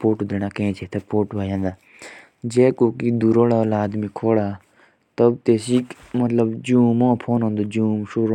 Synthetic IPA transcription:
poːʈuːd̪ɾeñaːkẽːt͡ʃʰeːt̪ʰepoːʈʋaːjãːnd̪aː | d͡ʒeːkoːkid̪uːɾoːɽaːolaːd̪mĩːkʰoːɽaː | t̪əbt̪eːsiːk | mət̪ləbd͡ʒũːmõːpʰoːnɦõːnd̪oːd͡ʒuːmʃoːɾoː

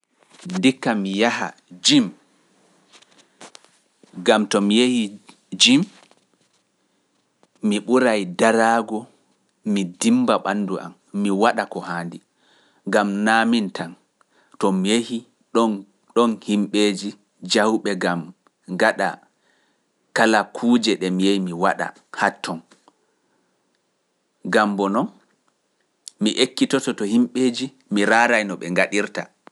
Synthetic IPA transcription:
ndikːamijaha̰d͡ʒim | ɡamtɔmijehi | d͡ʒim | iɓuɾajdaɾaːɡɔ | midimbaɓanːduʔa̰mːiwaɗakɔhaːndi | ŋɡamnaːmintan | tɔmijehi | ɗɔn | ɗɔnhimɓeːd͡ʒi | d͡ʒahwɓɛɡam | ŋɡaɗa̰ | kalakʰuːd͡ʒɛɗɛmijejmiwaɗa̰ | hatʰːɔn | ɡambɔnɔn | miʔekːitɔtɔtɔhimɓeːd͡ʒi | miɾaːɾajnɔɓɛŋɡaɗiɾta

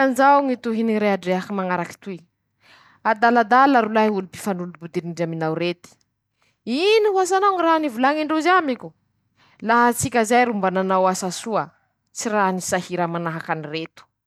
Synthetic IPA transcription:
anzawŋit̪uɦiniɾeaɖ͡ʐeakimaŋaɾaki̥t̪ui | ad̪alad̪alaɾulaulupi̥fanulubud̪iɾiɳɖ͡ʐaminawɾet̪i̥ | inihuasanawŋiranivulaŋiɳɖ͡ʐozamikʲu | laɦat͡sikʲəzajɾumbananawasasuə | t͡siɾanisahiɾamanaɦakaniret̪u̥

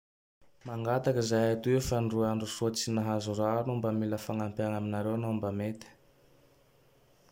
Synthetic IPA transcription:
maŋɡat̪akəzajat̪uefaɳɖ͡ʐuaɳɖ͡ʐusut͡sinaɦazuranumbamiləfaŋampaŋaminaɾewanombamet̪ə̥

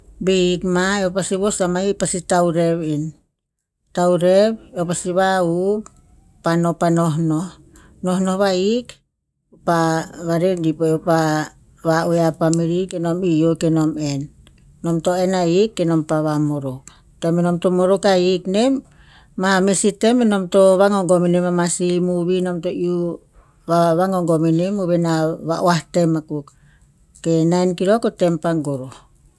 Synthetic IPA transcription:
beikmaeopasiβosamaipasitauɾeβin | tawɾeβeopasiβaup | panopanoɦnoh | nohnohβaik | paβaɾendipoopa | βaueapamiɾikenomijokenomenː | omtoenaikːenompaβamoɾokː | emenomtomoɾokaiknemː | amesitemenomtoβaŋoŋɡominemamasimuβinomtoiu | βaβaŋoŋɡominemuβenaβaʔoahtemakukː | enainkiɾokotempaŋɡoɾo

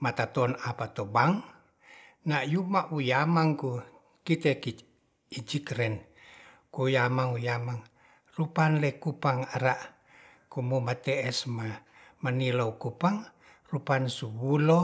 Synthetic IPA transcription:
mat̪at̪ɔnapat̪obaŋ | najumaʔujamaŋku | kit̪ɛki | id͡ʒikɾɛn | kujamaŋujamaŋ | rupanlɛkupaŋaɾaʔ | kumumat̪ɛʔɛsma | maniloukupaŋ | rupansuwulo

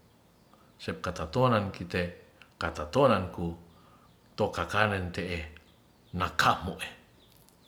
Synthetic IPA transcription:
sɛp̚kat̪at̪onankit̪e | kat̪at̪onanku | t̪okakanɛnt̪eʔe | nakʰamoʔe

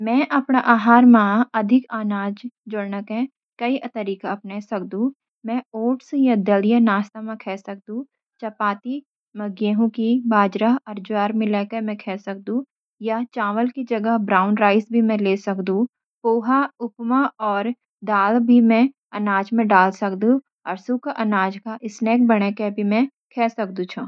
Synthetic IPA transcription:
mɛ̃ːʔɐpnaʔaːɦaːɾmãːɐd̪ʱɪkaːnaːd͡ʒd͡ʒʊɽnəkɦɛ̃ | kɐiʔət̪əɾiːkaɐpnesɐkd̪ũ | mɛ̃oːʈsjad̪ɐljənaːst̪amẽkʰɛːsɐk̚d̪ũ | t͡ʃɐpaːt̪i | mɐɡjeːɦũkibaːd͡ʒɾaɦɐɾd͡ʒwaːɾmɪlɛːkemɛ̃kʰɛːsɐk̚d̪ũ | jat͡ʃaːʋəlkid͡ʒɐɡəɦbɾaːʊnɾaːɪsbʱimɛ̃leːsɐkd̪ũ | poːɦaʊpmaɔːɾ | d̪aːlbʱimɛ̃ | ɐnaːd͡ʒmẽɖaːlsɐkd̪ũ | ɐɾsukaʔɐnaːd͡ʒkaʔɪsneːk̚bɐɽ̃ekebʱimɛ̃ | kʰɛːsɐk̚d̪ũt͡ʃʰu

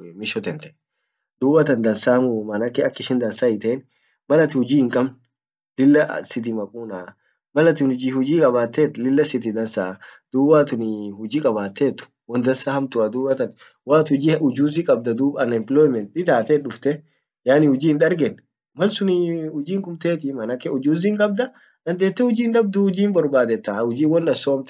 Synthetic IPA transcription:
mɪʃɔt̪ɛnt̪ɐʔɛ | d̪uːbɐt̪ɐnd̪ɐnsaːmʊmɐnɐkːɪɐkːɪʃɪnd̪ɐnsaːɪt̪eːn | mɐlɐt̪ɪhʊd͡ʒiːhɪŋkʼɐmn | lɪlːɐsɪt̪̬ɪmɐkʼuːnaː | mɐlɐt̪ɪnʊd͡ʒihʊd͡ʒiːkʼɐβaːt̪ːeːt̪ːlɪlːɐsɪt̪ɪd̪ɐnsaːd̪̥uːbaːt̪ʊnɪhʊd͡ʒiːkʼɐbaːt̪ːeːt̪ːʊ̥ | wɔnd̪ɐnsahɐmt̪ʊad̪uːbɐt̪ɐn | waːt̪ʊd͡ʒiʊd͡ʒuːzikʼɐb̚d̪ɐd̪uːbɐnɛmpɪlɔjɪmɛnt̪̚ɪt̪aːt̪ɛᶑʊft̪ɛ | jaːnɪhʊd͡ʒiːɪnᶑɐɾɡɛn | mɐlsʊnɪhʊd͡ʒiːŋkʊmt̪eːt̪ɪmɐnɐkɛʊd͡ʒuːziːŋkʼɐb̚d̪ɐ | nɐnd̪eːt̪ːɛhʊd͡ʒiːnᶑɐb̚d̪ʊhʊd͡ʒiːmbɔɾbaːd̪ɛt̪ːahʊd͡ʒiːwɔnᶑ̪ɐsːohɐmt̪

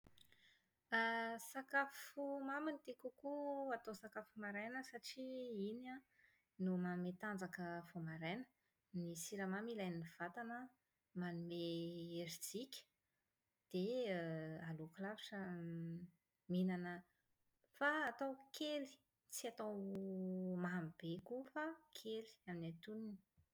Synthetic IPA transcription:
asakafumaminit̪ekukuat̪osakafumaɾajnəsaʈ͡ʂiina | numamet̪and͡zakəv̥omaɾajnə̥ | nisiɾamamilajniniv̥at̪anə | manumeeɾid͡zikʲə̥ | d̪̥e | alukulaviʈ͡ʂə | minanə | faːt̪awkʰeli̥ | t͡siat̪aw | maɦamb̥ekufakʰeli̥aminat̪unin

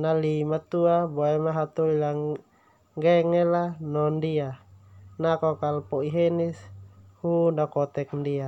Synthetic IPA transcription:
nalimat̪uabɔɛmaɦat̪uljaŋ | ɡɛŋɛlanɔndianakɔkalpɔiɦɛnɛshunakɔt̪ɛk̚ndia

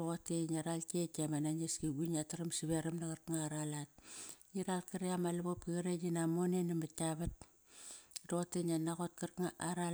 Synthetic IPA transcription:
oɣotenaɾalkekemanaɲeskiɡunataɾamsiβeɾamnaɣaɾkŋaɾalat̚niɾalkaɾiamalaβop̚kiɣaɾeɲinamonenamataβat̚ | ɾoɣotenanaɣot̚kaɾkŋaʔaɾa

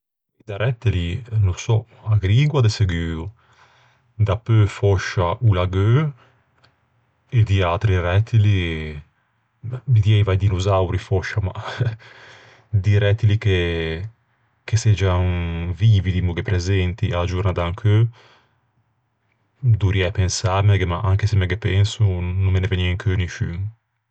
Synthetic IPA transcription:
id̪aɾɛt̪ːelinusɔ | aɡɾiɡwad̪eseɡyːu | d̪apøfɔʃaʔulaɡø | ed̪iat̪ɾiɾɛt̪ʰːili | mbid̪jɛjvajd̪inuzawɾifɔʃama̰ | d̪iɾɛt̪ilike | kesɛd͡ʒaŋviːvid̪imuɡepɾezɛnt̪iʔalad͡ʒuɾnad̪aŋkʰø | d̪uɾiɛpensaɾmɛɡemaʔaŋkesemɛɡepɛnsunumːeneveniɛŋkʰøniʃyŋ

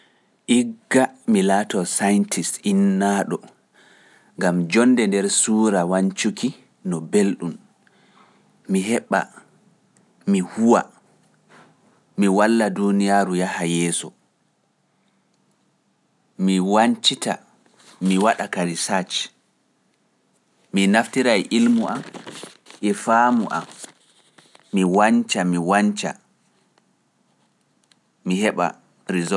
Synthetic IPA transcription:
ʔiɡːamilaːtɔsajntʰisinːaɗɔ | ŋɡamd͡ʒɔnːdɛndɛɾsuːɾawaɲt͡ʃuki | nɔbelɗum | miɦɛɓːa̰ | mihuwa̰ | miwalːadunijaɾujahajɛːsɔ | miwaɲt͡ʃita̰ | miwaɗakaɾisat͡ʃ | minaftiɾajʔilmuʔam | ʔɛfaːmuʔa̰m | iwaɲt͡ʃamiwaɲt͡ʃa̰ | mihɛɓa̰ | ɾizɔ

